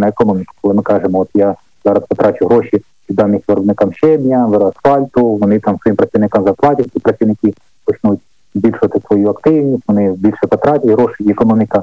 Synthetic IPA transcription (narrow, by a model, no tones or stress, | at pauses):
nɐekɔnomʲɪkʊ̥kɔlˠɪmɪkɑʐemɔɔt̪ja | zɑɾɐspɔt̪ɾat͡ʃʊɦɾoʃi | pʲid̪ɑnːɪxʲʋʲɐɾɔbnɪkamʃɛb̪ʲnʲɐʋɪɾɐsfɑlʲt̪ʊʋɔnɪt̪amsʋɔjimpɾɐt͡sʲiʋnɪkamzɐrplˠɑtʲɪtʲipɾɐt͡sʲiʋnɪkɪ | pɔt͡ʃnutʲ | zʲbʲilʲʃʊʋɐt̪ɪsʋɔjuɐkt̪ɪwnʲisʲtʲʋɔnɪbʲilʲʃɛpɔt̪ɾatʲɪɦɾoʃɪɛkɔnɔmʲɪkɐ